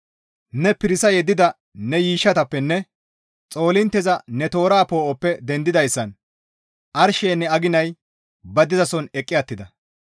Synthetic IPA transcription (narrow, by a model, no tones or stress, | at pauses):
nɛpɪɾɪsɐjɛd̪ːɪd̪ɐ | nɛjiːʃːɐt̪ɐpːɛnːɛ | t͡sʼo̞ːlɪnt̪ːɛzɐnɛt̪o̞ːɾaːpo̞ːʔɔpːɛd̪ɛnd̪ɪd̪ɐjsːɐn | ʔɐɾʃeːnːɛɐɡɪnɐj | bɐd̪ɪzɐsɔnɛkʼːɪɐt̪ːɪd̪ɐ